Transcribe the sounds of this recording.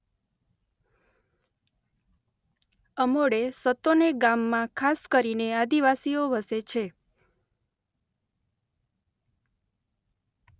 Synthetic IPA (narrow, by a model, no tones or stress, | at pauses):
əmoɽesət̪oneɡamːãkʰaskəɾinead̪iʋasioʋəset͡ʃʰe